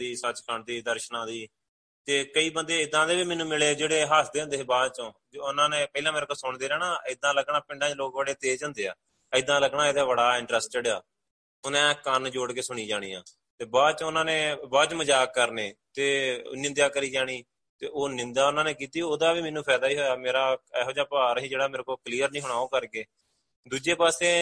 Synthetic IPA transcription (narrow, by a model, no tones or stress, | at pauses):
iːsət͡ʃkʰəɳd̪iːd̪əɾʃnãːd̪iː | t̪eːkəiːbənd̪eːɪd̪ãːd̪eːʋiːmɛːnũːmɪleːd͡ʒeːɽeːɦaːsd̪eːə̃nd̪eːebaːd̪t͡ʃõː | ʊnãːneːpəiːlãːmɛːɾːkəsʊːɳd̪eːɾɛːɽãːɪd̪ãːləɡɳaːpɪɳɖãːt͡ʃloːkbəɽeːt̪eːd͡ʒə̃nd̪eːa̰ː | əɪd̪ãːləɡɳãːeːd̪aːʋəɽaːɪ̃ɳʈɾəsʈd͡ʒəɖaː | ʊnɛ̃ːkənd͡ʒoːɽkeːsʊɽ̃iːd͡ʒaːɽ̃iːã̰ː | t̪eːbaːt͡ʃʊnãːneːbaːt͡ʃməd͡ʒaːkːəɾneːt̪ḛːnɪ̃nd̪jaːkəɾiːd͡ʒaːɽ̃iː | t̪ḛːʔoːnɪ̃nd̪aːʊnãːneːkiːt̪iːoːd̪aːʋiːmɛnːũːpʰɛːd̪aːiːɦoːjaːmeːɾaːɛːɦoːd͡ʒaːpaːɾɦĩːd͡ʒeːɽaːmeːɾekoːkliːəɾnĩːɦɽ̃aːoːkəɾkeː | d̪uːd͡ʒeːpaːseː